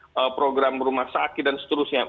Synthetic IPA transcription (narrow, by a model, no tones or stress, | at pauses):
əpɾoɡɾambəɾumahsakɪt̪̚dansə̥t̪əɾusɲa